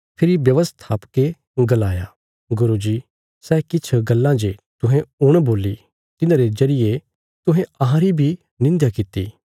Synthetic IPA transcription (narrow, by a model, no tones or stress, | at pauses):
pʰɪɾibjɐʋəst̪ʰaːpke | ɡɐlaːja̰ | ɡʊɾud͡ʒiː | sɛːkɪt͡ʃʰɡɐlːãd͡ʒet̪ʊɦẽʊɽ̃boːli | t̪ɪnãːɾezɐɾɪje | t̪ʊɦẽɐɦãɾibʱi | nɪ̃nd̪jakɪt̪ːḭː